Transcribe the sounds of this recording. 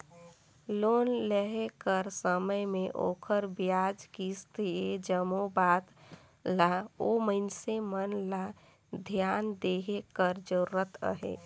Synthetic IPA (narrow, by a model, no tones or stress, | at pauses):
loːnləɦekəɾsəməjmeʔo̰ːkʰəɾbjad͡ʒkist̪ʰied͡ʒəmobat̪ | laoməɪnsemənla | d̪ʱjand̪eɦekəɾd͡ʒəɾuɾət̪ə̰ɦḛ